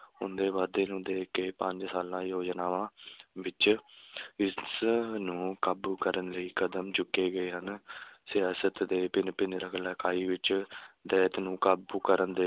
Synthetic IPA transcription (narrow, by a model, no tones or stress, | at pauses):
ɦʊnd̪eːʋaːd̪eːnũːd̪eːkeːpəɲd͡ʒsaːlãːjoːd͡ʒnaːʋãːʋɪt͡ʃ | ɪsnũːkəbkəɾənləiːkəd̪əmt͡ʃʊkːeːɡəeːɦənsɪjaːsət̪d̪eːpɪnpɪnɾəkʰlaːkaːiːʋɪt͡ʃd̪ɛːt̪nũːkəbkəɾənd̪eː